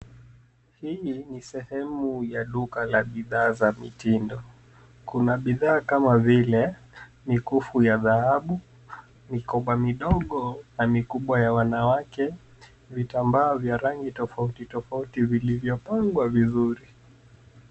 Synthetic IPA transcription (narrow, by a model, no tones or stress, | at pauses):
hiinisɛhɛmujaɗukalaɓiðaːzamitindɔ | kunaɓiðaːkamavilɛ | mikufujaðahaɓu | mikɔɓamiɗɔɠɔnamikuɓwajawanawakɛ | vitambaɔvjaɾaŋɡitɔfautitɔfautivilivjɔpaŋɡwavizuɾi